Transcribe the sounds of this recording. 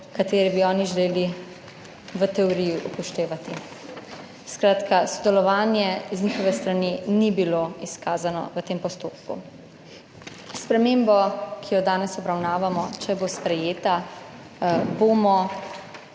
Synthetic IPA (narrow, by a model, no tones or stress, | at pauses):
kat̪eːɾibiɔːniʒɛleːli | ʋət̪ɛɔɾijuʔupɔʃt̪eːʋat̪i | skɾaːt̪kasɔd̪ɛlɔʋaːnjɛiznixɔʋɛst̪ɾanenibiloiskaːzanɔ̰ʋət̪eːmpɔst̪oːpkṵ | spɾɛmeːmbɔkʰijɔd̪aːnɛsɔbɾawnaːʋamɔt͡ʃɛbospɾɛjeːt̪a | boːmɔ